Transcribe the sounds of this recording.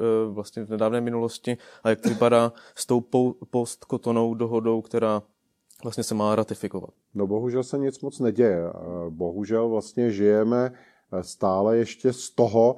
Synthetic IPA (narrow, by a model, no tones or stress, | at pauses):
vlast̪ɲɛvnɛdaːvnɛːmɪnulo̞scɪajak̚tvɪpadaːst̪o̞wpopost̪kot̪ono̞wdoɦo̞do̞wkt̪ɛɾaː | vlast̪ɲɛsɛmaːɾat̪ɪfɪkova̰t̪̚noboɦuʒɛlsɛɲɪt͡smot͡snɛɟɛjɛboɦuʒɛlvlast̪ɲɛʒɪjɛmɛ | st̪aːlɛjɛʃcɛst̪oɦo